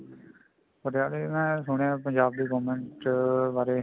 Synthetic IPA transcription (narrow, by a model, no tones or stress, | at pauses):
pəɾaːleːmɛ̃ːsʊɽ̃ãːpəɲd͡ʒaːb̚d̪iːɡəːmɛɳʈbaːɾeː